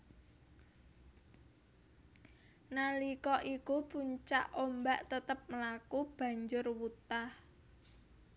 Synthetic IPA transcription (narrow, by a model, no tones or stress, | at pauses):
nalikɔʔikupuɲt͡ʃaʔombaʔt̪ət̪əp̚məlakub̥a̤ɲd͡ʒʊrwut̪ah